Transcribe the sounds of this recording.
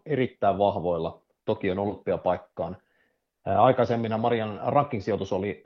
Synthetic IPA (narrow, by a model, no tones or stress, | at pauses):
eɾit̪ːæiʋʋɑhʋo̞ilːɑ | t̪okionolːut̪̚piæpɑikːɑːn | ɑikɑsemːinɑmɑɾiɑnrɑkːinsiot̪usoli